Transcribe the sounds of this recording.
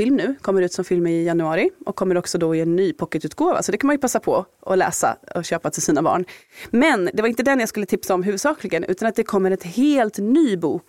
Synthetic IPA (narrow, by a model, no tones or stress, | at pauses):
ɪlmnʉ̟ːkʰɔmːəɾʉ̟ːt̪sɔmfɪlmɾɪjanːɵɑːɾɪʔɔ̰kʰːɔmːəɾɔksɔd̪ɔɪɛnːyːpʰɔkːət̪ʉ̟ːt̪̚ɡoːva̰sɔd̪ɛkanmanjɵpʰasːapʰɔɔlɛ̰ːsa̰ɔɕøːpat̪ʰɪlsiːnabɑ̰ːɳmɛnd̪ɛvaɾɪnt̪̬əd̪ɛnjaskɵlːət̪ʰɪpsaɔmɦʉ̟vɵd̪sɑːklɪɡənʔʉ̰ːt̪anat̪̚d̪ɛkʰɔmːəɾɛt̪heːlt̪nyːbuːk